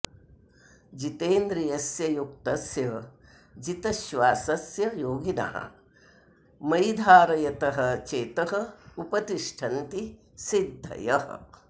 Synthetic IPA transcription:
d͡ʒit̪eːnd̪ɾijɐsjɐjuk̚t̪ɐsjɐ | d͡ʒit̪ɐʃʋaːsɐsjɐjoːɡinɐ̰ɦɐ̰ | mɐjd̪ʱaːɾɐjɐt̪ɐɦɐ̆t͡ʃeːt̪ɐɦɐ̆upɐt̪iʂʈʰɐnt̪i | sid̪ʱːɐ̰jɐɦɐ̰

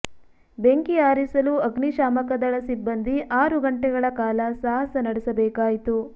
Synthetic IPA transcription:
beŋkiaːɾisɐluɐɡniʃaːmɐkɐd̪ɐɭɐsibːɐnd̪iʔaːɾuɡɐɳʈɛɡɐɭɐkaːlɐsaːɦɐsɐnɐɽɛsɐbɛːkaːjit̪u

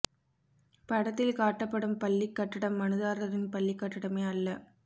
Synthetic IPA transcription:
pɐɽɐt̪ːɪlkaːʈːɐpːɐɽɯmpɐlːɪkːɐʈːɪɽɐmːɐnɯðaːɾɐɾɪnpɐlːɪkːɐʈːɪɽɐmeːɐlːɐ

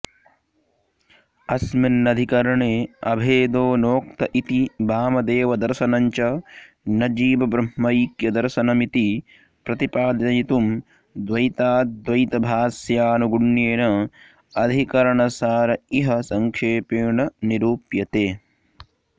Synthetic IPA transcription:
ɐsmɐnːɐd̪ʱikɐɾɐɳeːɐbʱeːd̪oːnoːk̚t̪ɐʔit̪ibaːmɐd̪eːʋɐd̪ɐɾʃɐnɐɲt͡ʃɐ | nɐd͡ʒiːbɐbɾɐmːɐjkjɐd̪ɐɾʃɐnɐmit̪i | pɾɐt̪ipaːd̪ɐjit̪um | d̪ʋɐjt̪aːd̪ʋɐjt̪ɐbʱaːsjaːnuɡuɳjeːnɐ | ɐd̪ʱikɐɾɐɳɐsaːɾɐiɦɐsɐŋkʰeːpeːɳɐniɾuːpjɐt̪eː

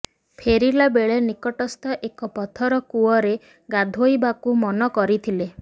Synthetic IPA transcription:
pʰeɾilabeɭenikɔʈɔst̪ʰɔʔekɔpɔt̪ʰɔɾɔkuɔɾe | ɡad̪ʱojbakumɔnɔkɔɾit̪ʰile

